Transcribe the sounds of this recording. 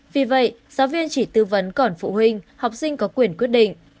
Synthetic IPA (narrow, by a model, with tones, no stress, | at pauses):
vi˨˩və̰˧˨jz̥aː˨˦wvi˧ənt͡ɕi˧˩t̪ɨ˧və˨˦nkɔ˧˩nfṵ˧˨hï˧ŋ̟ha˨˩wk͡p̚sï˧ŋ̟kɔ˨˦kwi˧˩ənkwət̚ɗḭ̈˧˨ŋ̟